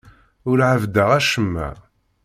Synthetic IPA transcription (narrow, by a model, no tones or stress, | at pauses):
ʊɾʕavd̪əʁæʃəmːæ̰